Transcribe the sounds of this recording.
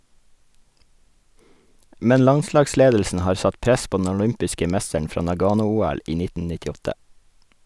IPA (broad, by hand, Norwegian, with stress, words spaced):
ˈmɛn ˈlɑnˌslɑːɡˌsleːdl̩sn̩ ˈhɑːɾ ˈsɑt ˈpɾɛs ˈpoː dn̩ ɔˈlʏmpɪskə ˈmɛstəɳ ˈfɾɑː nɑˈɡɑːnʊˌuːæl ˈiː ˈnɪtn̩ nɪtɪˈɔtə